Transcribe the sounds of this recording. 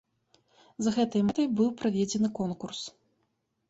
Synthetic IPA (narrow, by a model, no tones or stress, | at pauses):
zɐɣɛt̪ɐjmat̪ɐjbɨwpɾavʲed͡zʲɛnɨkɔnkurs